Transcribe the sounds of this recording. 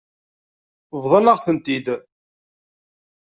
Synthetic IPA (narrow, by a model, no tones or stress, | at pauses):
vðˤɑnəʁθənt̪id̪